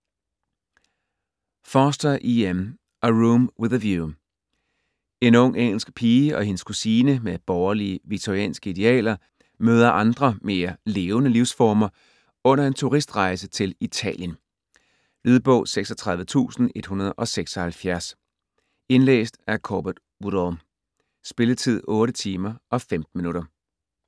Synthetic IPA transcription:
fɒsd̥ɐʔiem | ʔæʁumweðˠəʋju | e̝nɔ̽ŋ̰eŋ̰l̩sɡ̥pʰiːəʔɒ̽he̝nəskʰusiːnəmeb̥ɒʊɐliəʋit͡sʰoʁiɛ̰ːnsɡ̥əid̥e̝ɛ̰ːlɐ | møːð̞ˠɐʔɑ̈nd̥ʁɐme̝ːɐle̝ːʊnəliʊsfɒːmɐ | ɔ̽n̰ɐe̝nt͡sʰuʁisd̥ʁɑ̈ɪsət͡sʰe̝lit͡sʰɛ̰ːljən | lyðˠb̥ɔ̰̽ʊ̰seɡ̥sɒ̽t͡sʰʁɑ̈ðˠʋət͡sʰṵːsn̩e̝d̥hunɐðˠʔɒ̽seɡ̥sɒ̽hælfjæɐs | e̝nlḛːsd̥æɐkʰob̥ɐd̥ | udɒm | sb̥e̝lət͡sʰið̞̰ˠɔ̽ːɾət͡sʰiːmɐɒ̽femd̥n̩minuɾɐ

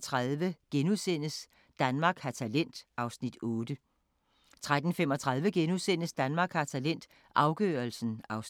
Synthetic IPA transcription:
t͡sʰʁɑðˠʋəɡ̥enusen̰əs | d̥ænmɑ̈ːɡ̥hɑ̈t͡sʰælen̰d̥ʔɑ̈ʊsnid̥ɔ̽ːd̥ə | t͡sʰʁad̥n̩femɒ̽t͡sʰʁɑ̈ðˠʋəɡ̥enusen̰əsd̥ænmɑ̈ːɡ̥hɑ̈t͡sʰælen̰d̥ | ʔɑ̈ʊɡ̥ø̰ːɐlsn̩ɑ̈ʊs

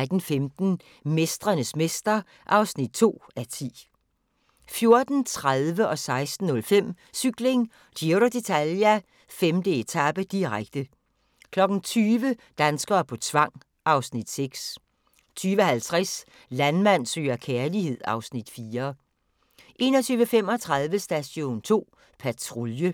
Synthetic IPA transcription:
d̥n̩femd̥n̩ | me̝sd̥ʁɐnəsmesd̥ɐ | ʔɑ̈ʊsnid̥̚t͡sʰo̝̰ːæɐt͡sʰḭː | fjo̝ɐd̥n̩t͡sʰʁaðˠʋəʔɒ̽sɑ̈ɪsd̥n̩ːɔ̽lfem̰ | syɡ̥le̝ŋ | d̥ioɾod̥e̝t͡sʰælæ | femd̥əe̝t͡sʰæb̥əd̥iʁaɡ̥d̥ə | kʰlɒ̽ɡ̥n̩t͡sʰyːʋəd̥ænsɡ̥ɐːpʰɒ̽t͡sʰʋɑ̈ŋ̰ | ʔɑ̈ʊsnid̥seɡ̥s | t͡sʰyːʋəhælt͡sʰʁɛs | lænmæn̰sø̰ːɐkʰeɐlihe̝ð̞̰ˠɑ̈ʊsnid̥fiːɐ | ʔe̝ːnɒ̽t͡sʰyːʋəfem̰ɒ̽t͡sʰʁɑðˠʋəsd̥æɕo̝̰ːnt͡sʰo̝̰ː | pʰæt͡sʰʁoljə

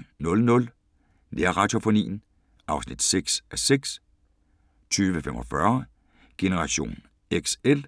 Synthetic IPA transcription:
nɔ̽lnɔ̽l | neɐʁɑ̈d̥o̝fo̝nḭːn̩ | ʔɑ̈ʊsnid̥seɡ̥sʔæseɡ̥s | t͡sʰyːʋəfem̰ʔɒfɶɐ | ɡ̥e̝nəʁɑ̈ɕo̝̰ːn | eɡ̥sel

